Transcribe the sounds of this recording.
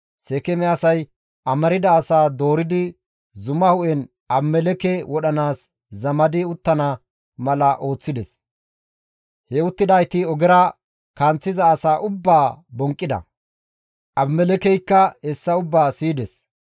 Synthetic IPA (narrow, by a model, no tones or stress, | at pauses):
sɛkɛmɛɐsɐj | ʔɐmɐɾɪd̪ɐːsaːd̪o̞ːɾɪd̪ɪ | zʊmɐhʊʔɛn | ʔɐbmːɛlɛkɛwɔɗɐnaːs | zɐmɐd̪ɪʊt̪ːɐnɐ | mɐlɐʔo̞ːt͡sːɪd̪ɛs | hɛʊt̪ːɪd̪ɐjt̪ɪɔɡɛɾɐ | kɐnt͡sːɪzɐːsaːʔʊbːaːbɔŋkʼːɪd̪ɐ̰ | ʔɐbmɛlɛkɛjkːɐhɛsːɐʊbːaːsiːd̪ɛs